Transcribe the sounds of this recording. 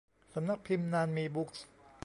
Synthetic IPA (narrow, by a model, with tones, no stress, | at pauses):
sa˧˦mna˦˥k̚pʰi˧mnaː˧nmiː˧bu˦˥k̚s